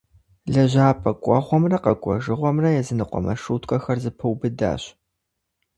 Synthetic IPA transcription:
ɮɐʑaːpʼɐkʷʼɔʁʷɔmrɐqɐkʷʼɔʒɨʁʷɔmrɐjɛzɨnɨqʷʼɔ̰mɐ̰ʂuːtʰʼkʷʼɐxɐrzɨpʰɐwbɨda̰ːɕ

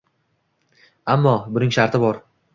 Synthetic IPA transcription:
amːɒbʊnɪŋʃaɾt̪ʰɪbɒɾ

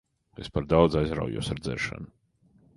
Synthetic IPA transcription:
espaɾd̪awd̪zajzɾa̰wjṵɔsaɾd̪zɛ̰ɾʃa̰nʊ

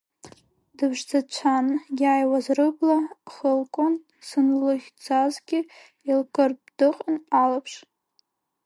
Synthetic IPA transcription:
dɨbʐd͡zat͡ɕʷʰanjʲajwazrɨblaχəlkʷʼʊn | sɨnlɨχʲd͡zazɡʲɪ | ilkʼɨrbdɨqʼanalapʰʂ

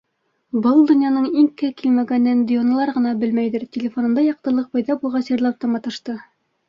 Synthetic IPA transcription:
bɤlˠd̪ŏnjɑnɤɴiŋkɘkilmæɡænːænd̪ʲɪjonɑ̆lˠɑɾʁɤ̆nɑbɘlmæjðɘɾtʲɪlʲɪfo̞nɤ̆nd̪ɑjɑq̚t̪ɤ̆lˠɤq̚bɑjðɑbulˠʁɑsjɤ̆ɾlˠɑp̚t̪ɑmɑt̪ɤ̆ʃt̪ɤ

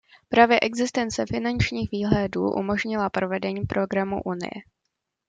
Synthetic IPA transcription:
pɾaːvjɛʔɛɡzɪst̪ɛnt͡sɛfɪnant͡ʃɲiːxviːɦlɛdṵːʔṵmo̞ʒɲɪlapɾo̞vɛdɛɲiːpɾo̞ɡɾamṵʔunɪ̰jɛ̰

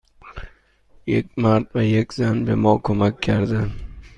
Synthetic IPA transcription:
jekʲmaɾt̪vajekʲzanbemɒkʰɵmakʲʰːaɾd̪ɪ

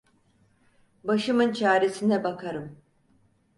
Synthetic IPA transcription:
baʃɯmɯnt͡ʃʰaːɾe̞sinɛbakʰaɾɯm

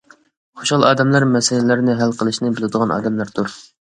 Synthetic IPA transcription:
χoʃɑlˠɑːd̪ɛmlɑɾmɛsɪlɪlæɾnɪɦælqʰəlˠɨʃnɪbɪlˠɪd̪əʁɑnɑ̰ːd̪ɛmlæɾt̪uɾ

